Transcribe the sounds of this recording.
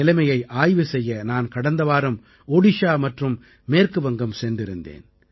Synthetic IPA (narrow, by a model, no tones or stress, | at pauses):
ɪlɐɪmɐjɐɪʔaːjʋɯsɛjːɐnaːnkɐɽɐnd̪ɐʋaːɾɯm | oːɽɪʃaːmɐʈrɯmː | eːrkɯbɐŋɡɐmsɛnd̪ɪɾɯnd̪ḛːn